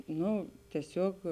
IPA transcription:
ˈnoː tʲiɛˈsʲoːk

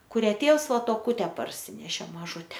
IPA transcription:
kʊˈrʲæː ˈtʲeːws ˈʋɐ toːˈkʊtʲɛ pɐrʲˈsʲɪnʲɛʃʲeː mɐˈʒʊtʲɛ

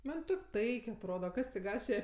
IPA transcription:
ˈmɐnʲ ˈtoːkʲ ˈtɐɪkʲ ɐtˈroːdɐ ˈkɐs tʲɪ ˈɡɐlʲ sʊ ˈjɛ

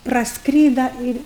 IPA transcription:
prɐsˈkrʲiːdɐ ɪrʲ

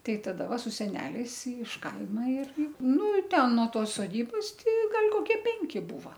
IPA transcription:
ˈtɐɪ tɐˈdɐ ˈʋɐ sʊ sʲɛˈnʲæːlʲɛɪs ɪʃ ˈkɐɪmɐ ɪr ˈnʊ ˈtʲɛn noː ˈtoːs soːˈdʲiːboːs ˈtʲɪ ˈɡɐlʲ koːˈkʲiɛ ˈpʲɛŋʲkʲɪ ˈbuːʋɐ

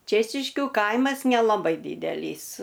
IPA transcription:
ˈt͡ʃʲeːt͡ʃʲɪʃʲkʲʊ ˈkɐɪmɐs nʲɛlˠɐˈbɐɪ ˈdʲiːdʲɛlʲiːs

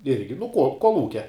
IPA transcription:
ˈɪrʲɡʲɪ nʊ koː koːlˠˈuːkʲɛ

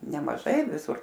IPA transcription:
nʲɛmɐˈʒɐɪ ʋʲɪˈsʊr

